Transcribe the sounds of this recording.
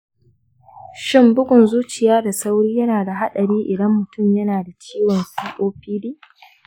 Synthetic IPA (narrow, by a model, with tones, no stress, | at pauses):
ʃɪ˦mbʊ˦ɡʷʊ˨nzuː˦t͡ʃɪ˨jaː˦da˨sa˦wɽiː˦jɐ˦naː˨da˨ɦa˦ɗɐ˨ɽiː˦ʔɪ˨dɐ˦mːʊ˨tʊ˦˨mjɐ˦naː˨da˨t͡ʃiː˦wɔ˨nsiː˦ʔʼoː˦ɸiː˦diː˦